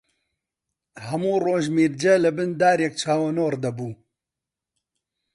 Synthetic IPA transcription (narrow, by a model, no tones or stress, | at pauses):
hɐmuːroːʒmiːɾd͡ʒɛlɨbɨnd̪aːɾjek̚t͡ʃʰaːwɐnoːrd̪ɐbuː